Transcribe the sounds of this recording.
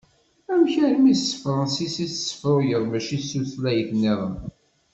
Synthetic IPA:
æwçəɾmissə̥fɾˤɑnsisiθsːə̥fɾojəɾˤmæʃisuθlæjəθnːiɪðˤə̰n

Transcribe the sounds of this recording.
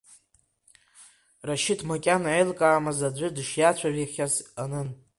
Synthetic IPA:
raʃɪtʰmakʲʼanʕajlkʼaːmazad͡zʷʊdʂjat͡ɕʷʰaɥiχʲazanɨn

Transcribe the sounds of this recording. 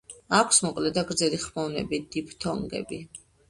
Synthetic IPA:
akʷʰsmɔkʼlɛd̪aɡɾd̪zɛliχmɔvnɛ̰bid̪ipʰt̪ʰɔŋɡɛ̰bi

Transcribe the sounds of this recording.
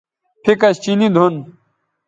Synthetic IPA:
pʰikɐst͡ɕinid̪ʱon

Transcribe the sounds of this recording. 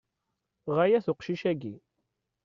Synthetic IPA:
ʁæjæθʊqʃiʃæɡi

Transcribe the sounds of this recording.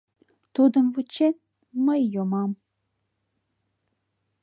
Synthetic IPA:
t̪ud̪ə̆mvut͡ɕet̪̚ | məjːomɑm

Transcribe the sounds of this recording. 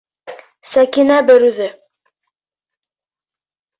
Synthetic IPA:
sækinæbɘ̆ɾʉðɘ

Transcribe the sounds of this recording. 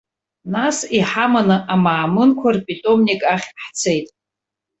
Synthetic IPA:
nasiħamanɨʔamaːmɨnkʷʰarpʼitʼo̞mnʲikʼaχʲħt͡sʰe̞jtʼ

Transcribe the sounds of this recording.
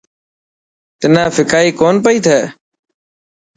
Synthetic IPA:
t̪ɪnãːfɪkaːiːkoːnpəiːt̪ʰɛː

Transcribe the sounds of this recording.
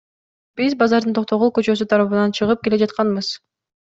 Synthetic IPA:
b̥izbɑzɑɾd̪ɯnt̪o̞q̚t̪o̞ʁukøt͡ʃø̞syt̪ʰɑɾɑβɯnɑnt͡ʃʰɯʁɯp̚ke̞le̞d͡ʒɑt̪qɑnbɯz̥

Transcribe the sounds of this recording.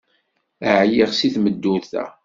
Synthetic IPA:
əʕjiʁsiθməd̪ːuθæ̰

